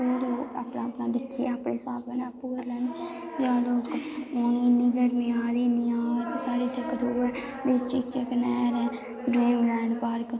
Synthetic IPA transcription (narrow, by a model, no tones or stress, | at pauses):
oːloːka̰pnaːpnãːd̪ɪkʰːiaapɳeːsaːbənãːpuːəlɛːn | d͡ʒãːloːkoninɪɡəɾmẽːaːɾiːniːaːt̪esaːɾiːt̪əkɾuːɛ | d̪ɪst͡ʃiːkəknɛːɾɛː | ɖɾiːmlɛːɳɖpəɾk